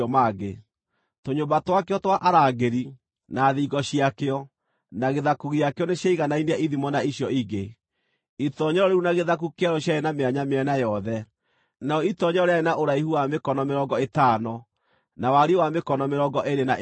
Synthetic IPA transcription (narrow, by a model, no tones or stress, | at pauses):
maɡe | toɲombatwakeɔtwaʔaɾaːɡeɾi | naːðiɡɔɕiakeɔ | naɣeðakuɣiakeɔneɕjaiɣanaineaiðimɔnaiɕjɔiɡe | itɔɲɔɾɔɾeɾunaɣeðak̬ukeaɾɔɕjaenameaɲameɛnajɔðɛ | naɔitɔɲɔɔɾeaenaʔoɾaiɦuwamekɔnɔmeɾɔŋɡɔetaːnɔ | nawaɾiwamekɔnɔmeɾɔŋɡɔʔeɾena